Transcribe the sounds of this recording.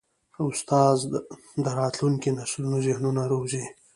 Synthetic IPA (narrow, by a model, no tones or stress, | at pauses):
ʊst̪ɑz | d̪əɾɑt̪luŋkinaʃlunuzɪhnunaɾowʒi